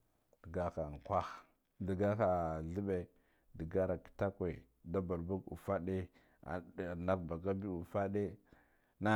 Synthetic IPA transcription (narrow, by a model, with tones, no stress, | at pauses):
də˨ɡa˦xa˨ŋ˨kʷa˦x | di˨ɡa˦xa˨ɮi˦be˨ | də˨ɡa˦ɾa˨ki̥˨ta˦kwe˨ | da˦ba˨lbu˦ɡṵ˨fa˦ɗe˦ | a̰˨na˦kba˨ɡa˦bi˦u˨fa˦de˦ | na˦